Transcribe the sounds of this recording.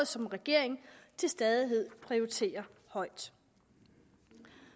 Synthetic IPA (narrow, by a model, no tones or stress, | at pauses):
ð̩ˠsɒ̽mʁɛɡ̥e̝ɐ̰eŋt͡sʰe̝lsd̥ɛðˠiɦe̝ð̞̰ˠpʰʁioʁit͡sʰe̝̰ːɐhɒ̽ɪ̰d̥